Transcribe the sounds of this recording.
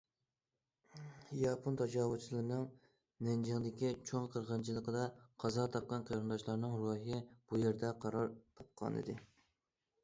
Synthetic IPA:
jɑpʰont̪ʰɑd͡ʒɑːwut͡ʃʰilˠɨɾnɨŋ | nɛnd͡ʒɪŋd̪ɪkʲit͡ʃʰoŋqʰəɾʁənt͡ʃʰilˠəqəd̪ɑqʰɑzɑt̪ʰɑp̚qːɑnqʰɑɾɨnd̪ɑʃlˠɑɾnɨŋɾuɦɪb̥ujeɾd̪ɛqʰɑɾɑɾt̪ʰɑp̚qʰɑ̰nɨ̰d̪ɪ

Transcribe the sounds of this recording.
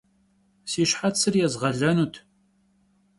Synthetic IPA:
siɕħatsɨrjɛzʁɐɮɐnuːt̪ʰ

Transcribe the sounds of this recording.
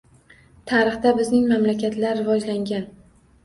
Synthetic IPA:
t̪ʰaɾɨχt̪abɪznɪŋmamlakʲʰat̪laɾːɪvɒd͡ʒlaŋɡʲan

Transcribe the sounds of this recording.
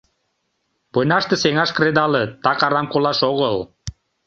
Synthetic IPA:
pɤnɑʃt̪ĕseŋɑʃkred̪ɑlĕt̪ɑkɑɾɑmkolɑʃoɣəl

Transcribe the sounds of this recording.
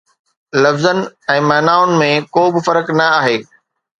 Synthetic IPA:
lɐfzənɪ̆ɛ̃ːmɛːnaːʋʊnɪ̆mẽkoːbɪfɐɾəknɐaːɦeː

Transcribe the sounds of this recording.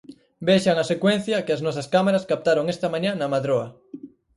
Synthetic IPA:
beʃaŋasekwen̟θjakeaznosaskamaɾaskap̚t̪aɾoŋest̪amãɲanamaðɾoa

